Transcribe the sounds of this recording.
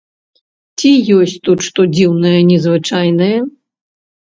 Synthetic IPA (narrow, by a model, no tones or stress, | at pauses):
t͡sʲijɔsʲt͡sʲt̪ut̪ʂt̪ɔd͡zʲiwnɐjɐnʲɛzvɨt͡ʂajnɐjɐ